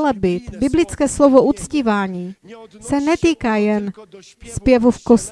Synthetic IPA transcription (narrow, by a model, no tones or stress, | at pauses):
lɛbɪt̪bɪblɪt͡skɛːslovoʔut͡sciːvaːɲiːsɛnɛt̪iːkaːjɛn | spjɛvufkos